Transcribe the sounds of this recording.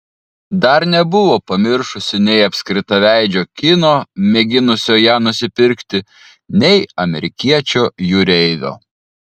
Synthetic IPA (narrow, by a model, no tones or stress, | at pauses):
d̪ɐɾnʲɛbʊʋoːpɐmʲɪɾʃʊsʲɪnʲɛɪɐpʲsʲkɾʲɪt̪ɐʋʲæˑɪd͡ʒʲoːkʲɪnoːmʲɛɡʲɪnʊsʲoːjæːnʊsʲɪpʲɪɾʲkt̪ʲɪ | nʲɛɪɐmʲɛɾʲɪkʲiɛt͡ʃʲoːjʊɾʲɛɪʋʲo̰ː